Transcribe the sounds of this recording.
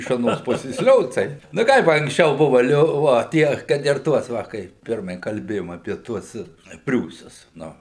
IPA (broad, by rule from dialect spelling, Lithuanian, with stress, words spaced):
ɪʃ ɐˈnoːs ˈpʊsʲeːs ˈlʲoːt͡sɐɪ nʊ ˈkɐɪp ɐŋksʲˈt͡ʃʲɛʊ ˈbʊʋɐ ˈlʲoː ˈʋoː ˈtʲiɛ kɐt ɪr ˈtuɔs ˈʋɐ ˈkɐɪ ˈpʲɪrmɐɪ kɐlʲˈbʲeːjoːm ɐpʲiɛ ˈtuɔs ˈpʲrʲuːsʊs ˈnʊ